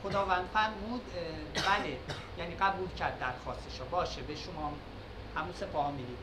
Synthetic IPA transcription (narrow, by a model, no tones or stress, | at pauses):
xod̪ɒːvænd̪̥fæɾmuːd̪ | bæle | jæːniːɢæbuːlcʰæɾd̪ːæɾxɒːst̪eʃɒbɒːʃebeʃomɒː | hæmusefɒmiːd̪iːd̪̥